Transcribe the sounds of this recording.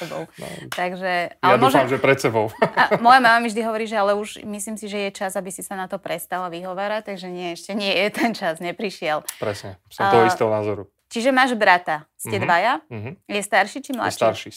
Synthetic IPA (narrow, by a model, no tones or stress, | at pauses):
t̪ɔbɔ̰lt̪aɡʒɛalɛadmuɔʒfamʒɛpɾɛt̪sɛbɔʊamɔjamaːmamiʒd̪iɦɔʋɔɾiːʒɛalɛuʒmisliːmsiʒɛjɛt͡ʃazabisisanat̪ɔpɾɛst̪alaʋiɦɔʋaːɾact̪aɡʒɛɲɪɛɛʃcɛɲɪɛjɛt̪ɛnt͡ʃazɲɛpɾiʃɪɛlpɾɛsɲɛsɔmt̪ɔɦɔist̪ɛːɦɔnaːzɔɾu | t͡ʃiʒɛmaːʒbɾat̪ascɛd̪ʋajaɦjɛst̪aɾʃit͡ʃimla̰st͡ʃ̪aɾʃi